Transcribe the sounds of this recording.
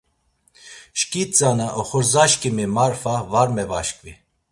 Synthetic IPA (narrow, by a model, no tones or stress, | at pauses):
ʃkʼit͡sʼanaʔɔχɔɾzaʃkʼimimaɾfavaɾmɛvaʃkʼvi